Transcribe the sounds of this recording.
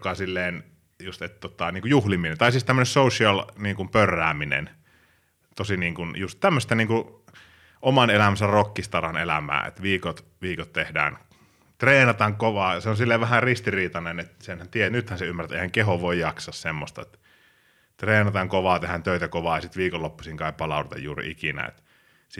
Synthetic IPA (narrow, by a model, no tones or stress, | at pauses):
kɑsilːeːn | just̪et̪t̪ot̪ɑniːŋkujuhliminent̪ɑˑisiːst̪æmːønessousiɑlniːŋkumpørːæːminḛn | t̪osiniːŋkunjust̪t̪æmːøst̪æniːŋku | ʔomɑnelæmænsærrokːist̪ɑrɑnḛlæ̰mæ̰ːḛt̪ʋiːkot̪ | ʋiːkot̪t̪ehdæ̰ːn | t̪reːnɑt̪ɑŋkoʋɑːseonsilːeʋæhærist̪iriːt̪ɑnenet̪senhænt̪ienyt̪hænseymːærˑæt̪ḛˑihæŋkeɦoʋʋoˑijjɑksɑssemːost̪ɑet̪ | t̪reːnɑt̪ɑŋkoʋɑːt̪ehænt̪øˑit̪ækoʋɑːjɑsit̪ʋiːkolːopːusiŋkɑˑippɑlɑˑudet̪ɑ̰jjuːrḭḭkinæ̰ḛt̪ | si